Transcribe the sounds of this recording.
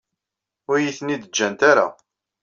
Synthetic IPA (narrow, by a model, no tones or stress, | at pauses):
ʊɾjiθnid̪əd͡ʒːænt̪aɾa̰